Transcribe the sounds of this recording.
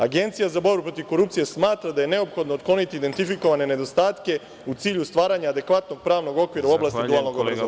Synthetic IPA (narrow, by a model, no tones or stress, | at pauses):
aɡe̞nt̪sijazabo̞ɾbupɾo̞t̪iʋko̞ɾupt̪sije̞smaːt̪ɾad̪aje̞ne̞o̞pxo̞d̪no̞ot̪̚klˠo̞nit̪iiːd̪ent̪ifiko̞ʋane̞ne̞d̪o̞st̪aːt̪ke̞ | ut̪siːʎust̪ʋaːɾaːɲaːd̪e̞kʋat̪no̞ɡ̚pɾaːʋno̞ɡo̞kʋiːɾauo̞blast̪id̪uaːlˠno̞ɡobɾazo